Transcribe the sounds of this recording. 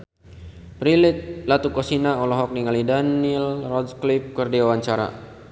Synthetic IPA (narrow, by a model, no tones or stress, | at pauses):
pɾilɪt̪̚lat̪ukɔsinaɔlɔɦɔk̚niŋalidanilrɔdklip̚kərdiawaɲt͡ʃaɾa̰